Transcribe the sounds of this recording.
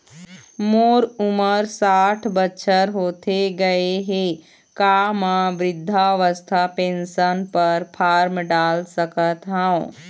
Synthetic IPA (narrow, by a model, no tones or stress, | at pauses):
moːɾʊməɾsaːʈʰbətːʃʰəɾɦoːt̪eɡɐeɦe | kaːmãʋɾɪd̪ʱːaʋəst̪ʰapẽːnsənpəɾpʰaːɾmɖaːlsəkət̪ɦãõ